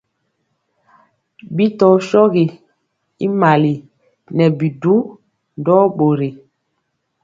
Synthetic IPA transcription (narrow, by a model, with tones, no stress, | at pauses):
bi˦tɔ˨ʃɔ˦ɣi˨ | i˦ma˨li˨ | nɛ˨bi˨du˦ | ndɔ˦ɓo˨ɾi˨